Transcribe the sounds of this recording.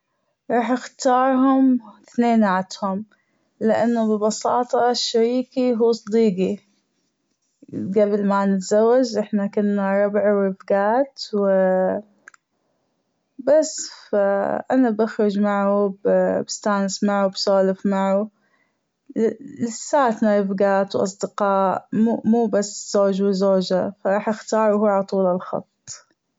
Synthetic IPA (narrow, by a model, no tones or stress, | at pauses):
ɾˤɑːħʔɪxt̪ɑːɾˤɦʊmθneːnʕat̪hʊm | lɪʔanːubɪlbɑsɑːt̪ˤɑʃːaɾiːkiɦuːsˤd̪iːqi | ɡablmanɪt̪zawːad͡ʒʔɪħnakʊnːaɾˤɑbʕwɾɪfɡaːt̪wɪ | basːfaʔanabaxɾʊd͡ʒmaʕubbɪst̪aːnɪsmaʕubsoːlɪfmaʕu | lɪsːaːt̪naɾɪfɡaːt̪wʔɑ̰sˤd̪ɪqɑːʔumuːbasːz̥oːd͡ʒwɪzoːd͡ʒafaɾˤɑːħʔɪxt̪ɑːɾˤwhuːʕalɑt̪ˤuːlalxɑ̰t̪ˤː